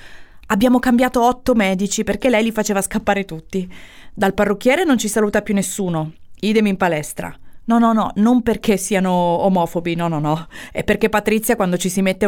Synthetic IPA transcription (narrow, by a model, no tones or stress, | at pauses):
abːjaːmokambjaːt̪oɔt̪ːomɛːd̪it͡ʃiperk̟elːɛjlifat͡ʃeːvaskapːaːɾet̪ut̪ːi | d̪alparːok̟ːjɛːɾenont͡ʃisaluːt̪apjunːesːuːnoiːd̪emimpalɛst̪ɾa̰nɔnɔnɔnomperkʰesːiːanoːmɔːfobinɔnɔnɔɛpːerkepːat̪ɾit̪sjakwand̪ot͡ʃisimet̪ːe